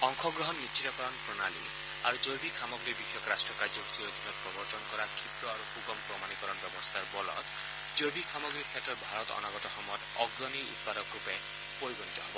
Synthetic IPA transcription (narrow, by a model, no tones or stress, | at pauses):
ɔŋkʰɔɡɾɔɦɔnːit͡ʃʰit̪ɔkɔɾɔnpɾɔnali | a̰ɾud͡ʒojbikʰamɔɡɾibixʰjɔkɾasʈɾɔkaɾd͡ʒɔkt̪iɾod̪ʱinɔt̪pɾɔbɔɾt̪ɔnkɔɾakʰip̪ɾɔaɾuxuɡɔmpɾɔmanikɔɾɔnbjɔbɔɾst̪ʰaɾbɔlɔ̰t̪ | d͡ʒobikʰamɔɡɾikʰːetɔɾbʱaɾɔt̪ɔ̰nɔɡɔtɔxɔmɔd̪ɔɡɾɔniʔṵt̪̚pad̪ɔkɾupe | poɾibɔnt̪ɔɦebɔ